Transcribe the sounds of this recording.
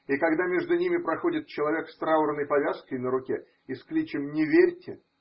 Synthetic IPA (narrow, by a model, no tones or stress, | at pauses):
ikɐɡd̪amʲe̞ʐd̪ʊnʲimʲɪpɾɐxo̞dʲɪt̪̚t͡ɕɪlˠɐvʲe̞kst̪ɾavʊɾnəjpɐvʲaskəjnəɾʊkʲe | ɪsklʲit͡ɕɪmnʲɪvʲerʲtʲɪ